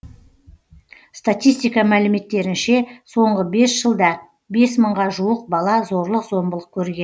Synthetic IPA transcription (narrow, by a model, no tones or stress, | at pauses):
st̪at̪ʲijst̪ijkɑmælɪme̞t̪ːe̞ɾɪnʃe̞so̞ɴʁəbe̞sʒ̥əlˠd̪ɑ | be̞sməɴʁɑʒuəq̚bɑlˠɑzo̞ɾlˠəqzo̞mbəlˠəq̚kʲʰɵɾɡʲe̞n